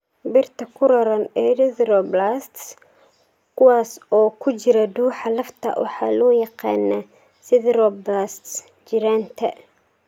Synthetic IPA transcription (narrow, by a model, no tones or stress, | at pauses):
bɪrt̪ʰɐkʰʊɾɐɾɐnɛɾɪðɾɔblast̪s | kʰʊwɑːsɔːkʰʊt͡ʃɪɾɐd̪uːħɑlɐft̪ʰɐ̰wʔɑ̰ħɑ̰ːlɔːjɑqɑ̰ːnɐ | sɪðɾɔblaːst̪s | d͡ʒɪɾaːnt̪ʰɐ